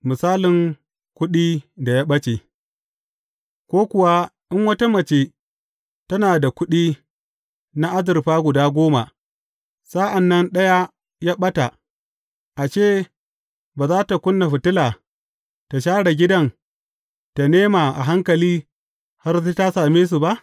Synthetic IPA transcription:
mɪ˨saː˦lɪ˨ŋ | kʷʊ˦ɗiː˦da˨jaː˦ɓɐ˦t͡ʃe˨ | kʷoː˦kʷʊ˨wa˦ʔɪ˦ŋwɐ˦ta˦mɐ˨t͡ʃeː˦ | tɐ˦naː˨da˨kʷʊ˦ɗiː˦ | na˦ʔa˦zɪ˨ɾɸaː˦ɡʷʊ˨daː˦ɡʷoː˦ma˨ | sa˦ʔa˨nːɐ˦nɗɐ˦ja˦ | jaː˦ɓɐ˦ta˨ | ʔa˨t͡ʃeː˦˨ | baː˨zaː˦ta˨kʷʊ˦nːa˨ɸɪ˨tɪ˦laː˨ | ta˨ʃ̬aː˦ɽa˨ɡʲɪ˦dɐ˦n | ta˨neː˦ma˨ʔa̰˨ɦa˦ŋkɐ˨liː˦ | ha˦rtta˦saː˨meː˦s̬u˨ba˦ʔ

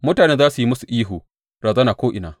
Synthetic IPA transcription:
mʊ˦taː˨neː˦zaː˦su˨ji˦mʊ˦su˨ʔiː˦ɦu˨ | ɾaː˨zɐː˦naː˨kʷoː˦ʔɪ˨naː˨

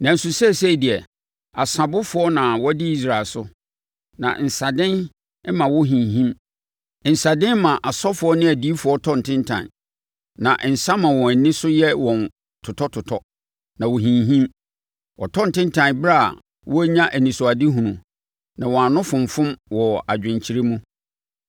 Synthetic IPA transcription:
nã˨n̩˨sʊ˨sɛ˦˨se˦i˨di˨ɛ˨ | a˨sa˨bʊ˦fʊ˨˦ɔ˦nã˨wɔ˦dɪ˦i˦s̬ɾa˨lsʊ˦ | nã̰˨n̩˨sa˨dɪ̃˦n˦ | mã˨wɔ˦ɦĩ˨ɦĩ˦m | n̩˨sa˨dɪ̃˦n˦mã˨ʔa˨sɔ˦fʊ˨ɔ˦nɪ̃˦æ˨di˦fʊ˨ɔ˦tʰɔ̃˦n̩˨tʰɪ̃˦ntʰã̰˨ | nã˨ʔn̩˨sa˦mã˨wɔ̃˨nɪ̃˦sʊ˦jɛ˦wɔ̃˨n | tʰʊ˨tʰɔ˦tʰʊ˨tʰɔ˦ | nã˨wʊ˨ɦĩ˨ɦĩ˦m | ɔ˨tʰɔ̃˦n˨tɪ̃˦n˦tʰã˨bɾa˦a̰˨ | wʔɔ˦æ˦ɲã˦ʔæ˨nĩ˨sʊ˨a˨di˦ɦũ˨nũ˨ | nã˨wɔ̃˨a˨nʊ̃˦fʊ̃˨m˨fʊ̃˦mwɔ˨a˨d͡ʑᶣɪ̃˨ɲt͡ɕʰi˨ɾe˦mũ˦

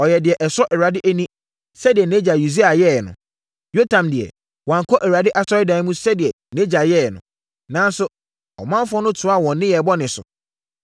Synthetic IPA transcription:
ɔ˨jɛ˨dɪ˨ɛ˨ʔɛ˨sɾɔ˦ʔɛ˨wa˨dɪ˦ʔæ˦nĩ˦ | sɛ˦dɪ˨ɛ˨nẽ˦d͡ʑa˨ju˨di˦a˨jɛ˦˨nʊ̰̃˨ | jo˦tʰã˨mdɪ˨ɛ̰˨ | wã˨ŋ˨kʰɔ˦ʔɛ˨ɾa˨dɪ˦ʔa˦sɔ˦ɾɪ˦dã˨n˦mũ˦sɛ˦dɪ˨ɛ˨ | nẽ˦d͡ʑa˨jɛ˦˨nʊ̃˨ | nãː˨˦n˦sʊ˦ | ɔ̰˨mã˦fʊ˦ɔ˦nʊ̃˦tʰʊ˨˦a˦˨wɔ̃˨nːɪ̃˦jɛ˨bɔ˦nɪ̃˨sʊ̰˨

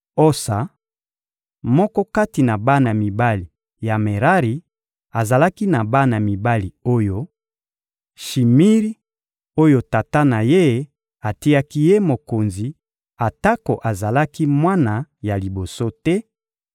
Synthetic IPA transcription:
o˦sa˨ | mɔ˦kɔ˦ka˦ti˨na˨ba˦na˨mi˨ba˦li˨ | ja˨me˨ʁa˦ʁi˨ | a˨za˨la˦ki˦na˨ba˦na˨mi˨ba˦li˨o˦jo˦ | ʃi˨mi˦ʁi˦ | o˦jo˦ta˨ta˦na˨je˦ | a˨ti˦a˦ki˦je˦mo˨ko˨nzi˨ | a˨ta˦ko˨ʔa˨za˨la˦ki˦mwa˦na˨ja˨li˨bo˨so˦tɛ˦

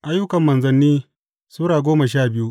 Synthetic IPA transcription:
ʔa˦jːʊ˦kɐ˨mːɐ˨nzɐ˦nːiː˦ | suː˦ɽaː˨ɡʷoː˦mɐ˨ʃaː˦˨bɪ˦ju˦ʔ

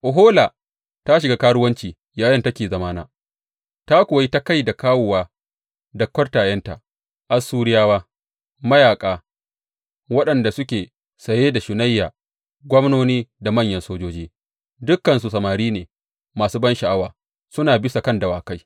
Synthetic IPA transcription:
ʔʊ˨ɦoː˦la˨ | ta˦ʃ̬ɪ˨ɡa˦kaː˦ɽʊ˦wɐ˦nt͡ʃiː˨ | jaː˨jɐ˦ntɐ˦kʲeː˨zɐ˨maː˦naː˦ | ta˦kʷoː˨ji˦ta˦ka˦jda˨kaː˦wʊː˨waː˦ | dɐ˨kːɐ˦rtaː˨jɐ˦nta̰˨ | ʔa˦suː˦ɽɪ˦jaː˦waː˦ | mɐ˦jaː˨kʼaː˨ | wɐ˦ɗɐ˨nda˨sʊ˦kʲeː˨ | sɐ˨jeː˦da˨ʃʊ˨na˦jːaː˨ | ɡʷɔ˦mnoː˦niː˦da˨mɐ˦˨ɲjɐ˨nsoː˦d͡ʒoː˦d͡ʒiː˦ | dʊ˦kːɐ˨nsu˨sɐ˨maː˨ɾiː˦neː˨ | maː˨suː˦bɐ˦nʃa˨ʔa˦waː˨ | sʊ˦naː˨bɪ˦sa˨kɐ˦ndɐ˨waː˨ka˦j

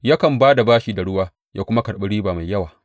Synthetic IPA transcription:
ja˦kɐ˨mbaː˦da˨baː˦ʃiː˦da˨ɽʊ˦waː˦ | jaː˦kʷʊ˦ma˦kɐ˨ɽɓɐ˦ɽiː˦baː˨ma˨jːɐ˦waː˨

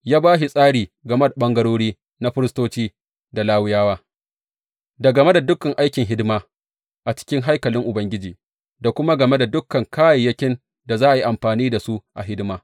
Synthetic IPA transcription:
jaː˦baː˦ʃi˨sʼaː˦ɽiː˨ɡɐ˨me˦da˨ɓɐ˦ŋɡɐ˦ɽoː˦ɽiː˦ | na˦ɸɪ˦ɾɪ˦stoː˦t͡ʃiː˦ | da˨laː˦wʊ˦jaː˦waː˦ | da˨ɡɐ˨me˦da˨dʊ˦kɐ˨ŋʔa˦jkʲɪ˨ŋɦɪ˦dmaː˦ | ʔa˨t͡ʃɪ̥˦kʲɪ˦ŋɦa˦jkɐ˨lɪ˦ŋʔʊ˨bɐ˦ŋɡʲɪ˦d͡ʒiː˨ | da˨kʷʊ˦ma˦ɡɐ˨me˦da˨dʊ˦kːɐ˨ŋkʰaː˦ja˨jɐ˦kʲɪ˦n | da˨zaː˦ʔa˨ji˦ʔa˨mɸaː˨niː˦da˨su˦ʔʔa̰˨ɦɪ˦dɪ˦maː˦

